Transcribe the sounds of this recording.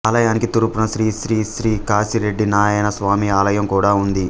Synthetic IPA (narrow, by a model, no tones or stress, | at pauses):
aːlɐjaːnikit̪uɾupunɐʃɾiːʃɾiːʃɾiːkaːsiɾe̞ɖːinaːjɐjnɐsʋaːmiaːlɐjɐmkuːɽaːund̪i